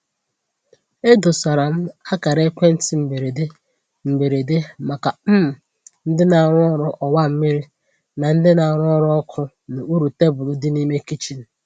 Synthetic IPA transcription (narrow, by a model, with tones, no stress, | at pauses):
e˦do˨sa˨ɾa˨m̩˦a˦ka˨ɾe˦kʷe˦n̩˦tɪ˨m̩˨be˨ɾe˨de˦ | m̩˨be˨ɾe˨de˦ma˨ka˨m̩˦m̩˨ | n̩˦dɪ˦na˨ɾʊ˦ɔ˦ɾɔ˦ʔɔ˨wa˦m̩˦mi˦ɾi˦ | na˨n̩˦dɪ˦na˨ɾɔ˦ɾɔ˦ɔ˦kʰʊ˦ | nʊ˨u˦ɾu˨te˦bʊ˨lʊ˦dɪ˦ni˦me˦ki˦t͡ʃi˨n̩˨